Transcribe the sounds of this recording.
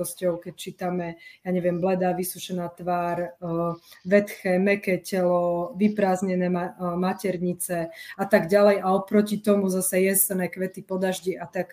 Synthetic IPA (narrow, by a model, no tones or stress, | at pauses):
ɔscɔʊkɛc̚t͡ʃiːt̪amɛjaɲɛʋɪɛmblɛd̪aʋisuʃɛnaːt̪ʋaːɾ | ʋɛt̪xɛːmɛkɛcɛlɔʋipɾaːzɲɛnɛːmamacɛɾɲit͡sɛat̪aɡɟalɛjaɔpɾɔcit̪ɔmuzasɛjɛsɛnɛkʋɛt̪ipɔd̪aʒɟiʔat̪ak